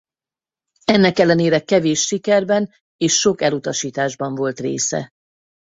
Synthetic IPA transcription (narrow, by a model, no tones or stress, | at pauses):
ɛnːɛkɛlːɛneːɾɛkɛveːʃːikɛrbɛn | eːʃːo̞kɛlut̪ɒʃiːt̪aːʒbɒɱvo̞lt̪rḛːsɛ̰